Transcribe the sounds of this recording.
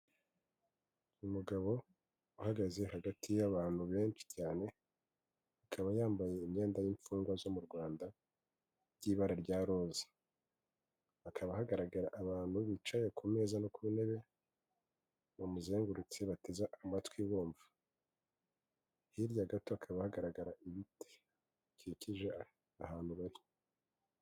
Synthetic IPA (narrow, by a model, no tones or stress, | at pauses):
umuɡaβo̞ | uhaɡaze̞haɡatʰijaβaːn̥huβe̞ːnt͡ʃi̥caːne̞ | akʰaβajaːmbaje̞imɲe̞ːndajiɱfuːŋɡwazo̞muɾɡwaːnda | jiːβaɾaɾɟaːɾo̞ːzḁ | akʰaβaɦaɡaɾaɡaɾaʔaβaːn̥huβit͡ʃajekʰume̞zanokuβine̞βe̞ | βomuzeːŋɡuɾut͡seβate̞zaʔamatwiβoːɱvḁ | hiɾjaɡatoβakʰaβahaɡaɾaɡaɾaʔiβite̥ | kiciʒe | ahaːn̥huβaɾi